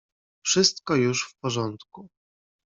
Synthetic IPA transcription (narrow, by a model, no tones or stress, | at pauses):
fʂɘst̪kɔjuʂfpɔʐɔnt̪ku